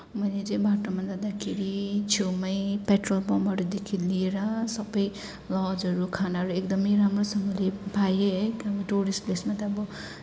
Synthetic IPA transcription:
mʌnet͡sʌj̃baʈomʌnd͡z̪ad̪akʰeɾit͡sʰemʌjpeʈrolbʌmʱʌɾud̪ekʰilieɾʌsʌbʌj | lʌd͡zʌɾukʰanaɦʌɾuekd̪ʌmʌjɾamrosʌmʌlepajeɦʌbʌʈuɾisʈplesmat̪ʌːbʌ

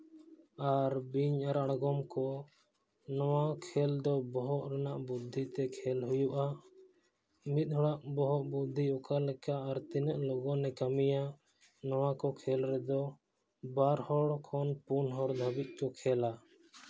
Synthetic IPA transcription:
aɾbiɲaɾaɽɡɔmkɔ | nɔwakʰɛld̪ɔbɔɦɔʔɾanaʔbud̪ʱːit̪ɛkʰɛlɦujuʔa | mit̪̚ˀɦɔɽaʔbɔɦɔʔbud̪ʱːiɔkalɛkaʔːɾt̪inəʔlɔɡɔnɛkamija | nɔwakɔkʰɛlɾɛd̪ɔ | baɾhɔɽkʰɔnpunɦɔɽd̪ʱabit̪̚ˀkɔkʰɛla

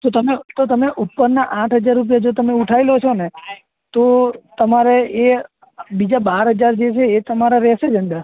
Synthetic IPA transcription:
t̪ot̪əmet̪ot̪əmeʔupːəɾnaʔãʈʰɦəd͡ʒaɾːup̬jad͡ʒot̪əmeuʈʰailot͡ʃʰone | t̪ot̪əmaɾee | bid͡ʒabaɾɦəd͡ʒaɾd͡ʒet͡ʃʰeːt̪əmaɾaɾɛʃed͡ʒə̃nd̪əɾ

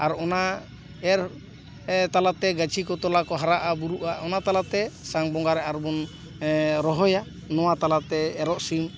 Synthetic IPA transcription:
aɾɔna | ɛɾ | t̪alat̪ɛɡat͡ʃʰikɔt̪ɔlakɔɦaɾaʔabuɾuʔaʔɔnat̪alat̪ɛsaŋbɔŋɡaɾɛʔaɾbɔn | ɾɔɦɔja | nɔwat̪alat̪ɛːɾɔʔsim

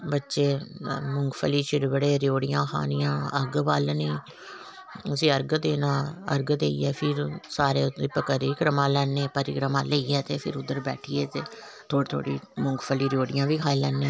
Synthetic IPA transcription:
bətːʃeːmʊŋɡpʰəliːʃɪɾbəɽeːɾjoːɽɪjãːxʰa̰ːnɪjãːəɡbaːlniː | əsĩːəɾɡd̪eːnãːə̰ɾɡd̪eːḭːɛːpʰɪɾsaːɾeːpəkəɾikɾəmãːlɛːnːeːpəɾɪkɾəmãːləiːɛːt̪eːpʰɪɾʊd̪ːəɾbɛːʈʰieːt̪eː | t̪ʰoːt̪ʰo̰ːɽḭːmʊŋɡpʰəliːɾjoːɽɪjãːʋiːkʰaːilɛːnːeː

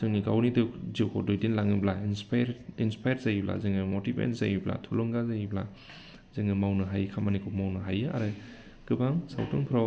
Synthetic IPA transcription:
sɯŋnikawnidɯziwkʰɔ̰dojdinlaŋɯblainspjɾinspʰajaɾzajibla̰zɯŋɯmotibḛnzajibla̰tʰulɔŋɡazajibla̰ | zɯŋɯmawnɯɦajkʰamanikʰomawnɯɦajɯa̰ɾɯ | ɡ̥ɯbaŋsa̰wtɯŋpʰɾɔ

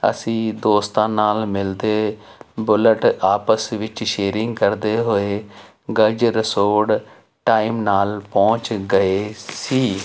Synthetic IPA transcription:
ə̰sĩːd̪oːst̪ãːnaːlmɪld̪eːbʊləʈaːpəsʋɪt͡ʃʃeːɾɪŋɡkəɾd̪eːɦoːeː | ɡəd͡ʒɾɪsoːɽ | ʈaːɪmnaːlpɔ̃ːt͡ʃɡəeːsiː

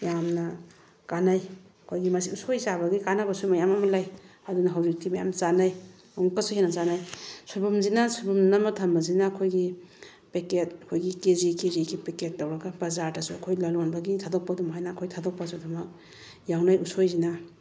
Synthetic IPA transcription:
jamna | kanajɐkʰojɡimɐsiusojzabaɡikanabasumajamamalajɐdunaɦawzik̚timaja̰mt͡ʃanaj | uŋkasuhenazanajsubumzinasubumnamatʰambazinaːkʰojɡi | peket̚ɐkʰojɡikezikeziɡipeket̚ːawɾaɡabazaɾtasuakʰojlalonbaɡitʰadɔk̚padumɦajnaːkʰojtʰadɔk̚pasudumak̚ | jawnajusojzina

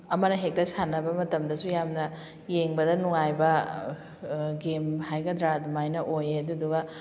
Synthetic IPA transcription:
ɐmɐnɐɦek̚tɐsanɐbɐmɐtɐmdɐsujamnɐ | jeŋbɐdɐnuŋajbɐ | ɡemhajɡɐd̪ɾadumajnɐʔojeɐduduɡɐ

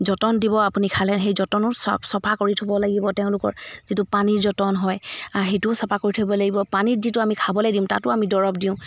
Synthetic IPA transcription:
zɔtɔndibɔapunikʰalɛɦejzɔtɔnɔɹssɔpʰakoɹitʰobɔlaɡibɔtɛʊ̃lʊkɔ̰ɹzitupaniɹzɔtɔnɦɔjaɹɦejtʊsɔpʰakoɹitʰobɔlaɡibɔpanitzitʊamikʰabɔlojdiʊ̃ta̰tʊamidɔɹɔp̚diʊ̃

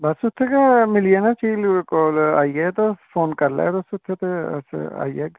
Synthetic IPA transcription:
bɐsʊt̪ʰːekamɪlijenat͡ʃiːlkoːla̰ːijet̪ofoːnkɐɾla̰ɛt̪osʊt̪ʰːet̪eɐ̰sa̰ːijeɡ

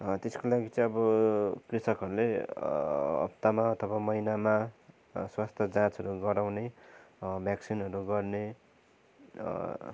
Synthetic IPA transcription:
t̪eskolaɡit͡sʌ̃ĩʌbʌkrisʌkɦʌɾule | ʌ̰pt̪amaʌt̪ʰʌbamʌjnama | swast̪ʰʌd͡zãt͡sʌɾuɡʌɾawne | bʱjaksinɦʌɾuɡʌrne

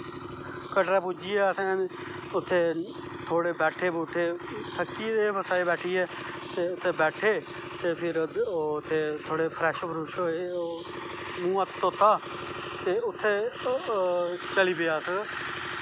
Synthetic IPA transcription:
kəʈɾaːpud͡ʒijɛːsɛ̃ːnː | ʊt̪ʰːeː | t̪ʰoːɽeːbɛːʈʰeːbuːt̪ʰːeːt̪ʰəkːiːd̪eːpəsaːeːbɛːʈʰiːɛː | t̪eːʊt̪ʰːeːbɛːʈʰeː | t̪eːpʰɪɾt̪ʰːeːt̪ʰoːɽeːpʰɾɛːʃopʰəɾuːʃoːe | mũːət̪t̪oːt̪ʰːaː | t̪eːʊt̪ʰːeː | t͡ʃəliːpɪjaːsə

